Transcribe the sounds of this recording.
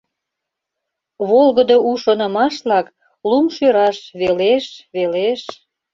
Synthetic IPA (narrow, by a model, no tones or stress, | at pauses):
βolɣəd̪oʔuʃonə̆mɑʃlɑk | lumʃøɾɑʃβeleʃβeleʃ